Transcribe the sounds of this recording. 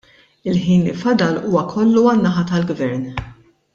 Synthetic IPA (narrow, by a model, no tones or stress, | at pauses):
ɪlħiːnɪfɐd̪ɐluːwɐkʰɔlːuɐnːɐħɐt̪ɐlɡvɛɾn